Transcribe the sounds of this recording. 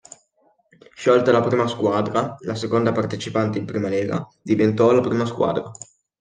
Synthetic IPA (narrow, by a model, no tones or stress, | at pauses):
ʃɔlt̪alapɾiːmaskwaːd̪ɾalasekond̪apart̪et͡ʃipant̪eimpɾiːmaleːɡa̰d̪ivent̪ɔlapɾiːmaskwa̰ːd̪ɾa